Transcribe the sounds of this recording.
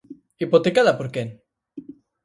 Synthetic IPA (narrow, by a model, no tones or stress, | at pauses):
ipot̪ekaðapoɾken